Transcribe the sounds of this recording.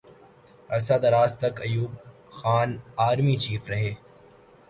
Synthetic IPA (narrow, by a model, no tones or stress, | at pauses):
ɐsad̪ɐɾaːzt̪ɐkɐjuːb̚ | xaːnaːɾmit͡ʃiːfɾɐɦeː